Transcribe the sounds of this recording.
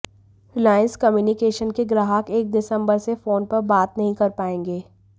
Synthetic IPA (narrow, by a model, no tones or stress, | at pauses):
hɪlaːɪə̃nskɐmjuːnɪkeːʃənkeɡɾaːɦəkeːk̚d̪ɪsə̃mbəɾsefoːnpɐɾbaːt̪nɐɦĩkɐɾpaːẽːŋɡeː